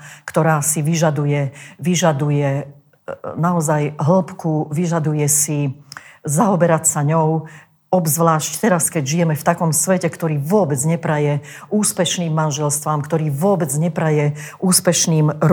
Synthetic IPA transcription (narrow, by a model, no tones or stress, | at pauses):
kt̪ɔɾaːsiʋiʒad̪ujɛʋiʒad̪ujɛ | naɔzajɦl̩pkuʋiʒad̪ujɛsi | zaɦɔbɛɾacsaɲɔʊ | ɔbzʋlaːʃct̪ɛɾaskɛɟʒijɛmɛft̪akɔmsʋɛcɛkt̪ɔɾiːʋʊɔbɛd͡zɲɛpɾajɛ | uːspɛʃniːmːanʒɛlst̪ʋaːmkt̪ɔɾiːʋʊɔbɛd͡zɲɛpɾajɛʔuːspɛʃniːmɾ